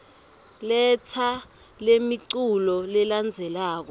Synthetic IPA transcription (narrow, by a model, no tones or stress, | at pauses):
lɛt͡sʰa | lemiǀulɔlɛland͡zʱɛlaːk̬ɔ